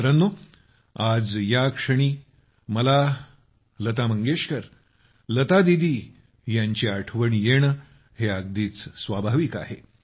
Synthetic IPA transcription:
ɾənːo | ad͡zjakʂəɽ̃iː | məla | lət̪aməŋɡeʂkəɾ | lət̪ad̪id̪ʱiː | jaɲt͡ɕiaʈʰʋəɳjeɳ | heaɡd̪iːt͡ssʋabʱaʋiːka̰ɦe

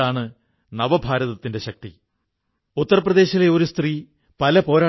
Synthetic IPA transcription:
aːɳɨ | nɐʋɐbʱaːɾɐðɐt̪ːinde̞ɕɐk̚t̪i | ut̪ːɐrɐprɐðe̞ːɕileo̞ɾust̪riː | pɐlɐpo̞ːɾaː

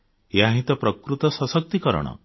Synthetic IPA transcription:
eaɦĩt̪ɔpɾɔkɾut̪ɔsɔsɔk̚t̪ikɔɾɔ̰ɽ̃ɔ̰

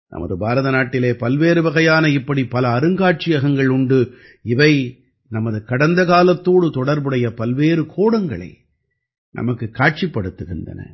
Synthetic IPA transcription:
nʔɐ̰mɐ̰ðɯbʱaːɾɐðɐnaːʈːɪleːpɐlʋeːɾɯʋɐɣɐjaːnɐɪpːɐɽipɐlɐːɾɯŋɡaːʈ̚t͡ʃɪjɐɣɐŋɡɐɭʊɳɖɯ | ɪʋɐɪ | nɐmɐðɯkɐɽɐnd̪ɐɣaːlɐt̪ːoːɽɯt̪ɔɽɐɾbɯɽɐjɐpɐlʋeːɾɯkʰoːɽɐŋɡɐɭɐ̰ɪ | nʔɐ̰mɐkːɯkːaːʈ̚t͡ʃipːɐɽɯt̪ːɯɣɪndɐ̰nɐ̰

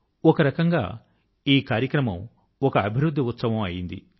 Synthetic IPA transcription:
ɔkɐɾɐkɐŋɡa̰ː | iːkaːɾjɐkɾɐmɐm | ɔkɐːbʱiɾud̪ʱːiut̪sɐʋɐmɐjind̪ḭ

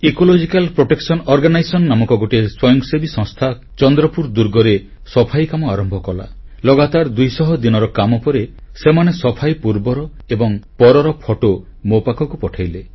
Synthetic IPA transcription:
ekolod͡ʒikalpɾoʈeksɔnɔɾɡanajsɔnːamɔkɔɡoʈieswɔjɔŋsebisɔ̃ŋst̪ʰa | t͡ʃɔnd̪ɾɔpuɾd̪uɾɡɔɾe | sɔpʰajkamɔaɾɔmbʱɔkɔla̰ | lɔɡat̪aɾd̪ujsɔɦɔd̪inɔɾɔkamɔpɔɾesemanesɔpʰajpuɾbɔɾɔ | ebɔŋpɔɾɔɾɔpʰɔʈo | mopakɔkupɔʈʰajle

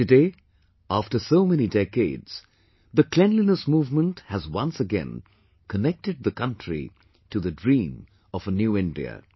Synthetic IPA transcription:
tɨdeɪ | æftə˞soʊmɛnidɛkeɪdz̥ | ðəkʰl̥ɛ̃nlinəsmuːvmə̃nthɨzwʌ̃nsəɡɛ̰̃n | kʰənɛk̚tɨd̪̚ðəkʰʌ̃ntʰɹ̥ḭ | tɨðɨdɹĩːm | ʌv̥ənjuɪ̃ndḭɨ̰

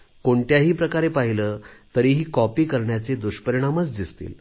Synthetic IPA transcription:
koɳʈ̪jaɦiːpɾəkaɾepaɦiləːt̪əɾiːɦiːkɔpiːkəɾɳjat͡sed̪uɕpəɾiɽ̃amət͡sd̪ist̪ḭːl

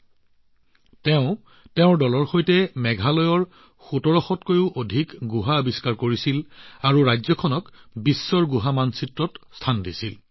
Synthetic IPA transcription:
tɛʊ̃ | tɛʊ̃ɹdɔlɔɹxojtɛmɛɡʱalɔjɔɹ | xutɔɹɔxɔtkojʊʔodʱikɡuɦaobiskaɹkoɹisilaɹuɹajzɔkʰɔnɔkbisːɔɹɡuɦamansitɹɔtstʰandisil

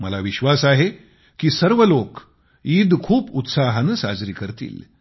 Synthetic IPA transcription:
məlaʋiɕʋasaɦe | kiːsəɾʋəlok | iːd̪kʰuːput̪saɦənəsa̰d͡zɾiːkəɾt̪ḭːl

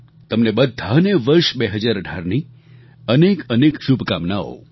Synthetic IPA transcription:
t̪əmnebəd̪ʱːaneʋəɾʃbeɦəd͡ʒaɾəɖʱaɾni | ənekənekʃubʱkamnao̰

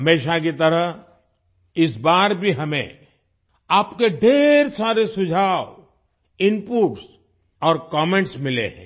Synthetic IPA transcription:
ɦɐmeːʃakit̪ɐɾəɦ | ɪsbaːɾbʱiɦɐmḛ̃ | aːpkeɖʱeːɾsaːɾesʊd͡ʒʱaːw | ɪnpuːʈs | ɔːɾkɔːmẽɳʈsmɪlḛɦɛ̰̃ː

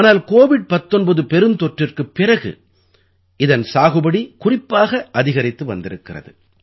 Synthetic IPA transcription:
aːnaːlkoːʋɪɖ̚pɐt̪ːɔnbɐðɯpɛɾɯnt̪ɔʈrɪrkɯpːɪrɐɣɯ̰ | ɪðɐnsaːɣɯbɐɽikʊrɪpːaːɣɐʔɐðɪɣɐɾɪt̪ːɯʋɐ̰nd̪ɪɾɯkːɪrɐ̰ðɯ̰

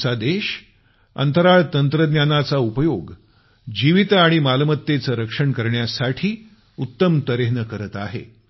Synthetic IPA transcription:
t͡sad̪eɕ | ə̰nt̪əɾaɭt̪ənt̪ɾəd̪njanat͡saupəjoɡ | d͡ʑiʋit̪aɽ̃imalmət̪ːet͡səɾəkʂəɳkəɾɳjasaʈʰiː | ut̪ːəmt̪əɾeɦnəkəɾət̪a̰ɦḛ

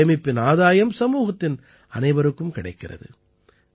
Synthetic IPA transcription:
ɐmɪpːɪnaːðaːjɐmsɐmuːɣɐt̪ːɪn | ɐ̰nɐɪʋɐɾɯkːɯmkɪɽɐɪkːɪrɐ̰ðɯ̰

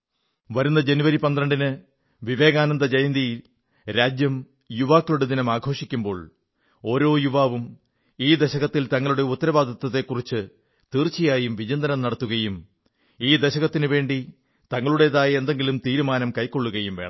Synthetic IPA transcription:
ʋɐɾunːɐd͡ʑe̞nuʋɐɾipɐnd̪rɐɳɖinɨ | ʋiʋe̞ːɣaːnɐnd̪ɐd͡ʑɐjɐnd̪ijil | ɾaːd͡ʑjɐm | juʋaːkːɐɭuɽed̪inɐmaːɡʱo̞ːʂikʲːumbo̞ːɭ | o̞ːɾo̞ːjuʋaːʋum | iːd̪eɕɐɣɐt̪ːilt̪ɐŋːɐɭuɽe̞ut̪ːɐɾɐʋaːd̪ʱɐt̪ːɐt̪ːe̞kːurit͡ɕːɨ | t̪iːrt͡ɕːijaːjumʋid͡ʑɐnd̪ɐnɐmnɐɽɐt̪ːuɣɐjum | iːd̪eɕɐɣɐt̪ːinɨʋe̞ːɳɖi | t̪ɐŋːɐɭuɽe̞ðaːjɐend̪e̞ŋɡilumt̪iːɾumaːnɐmkɐjkːo̞ɭːuɣɐjumʋeːɳɐ̰

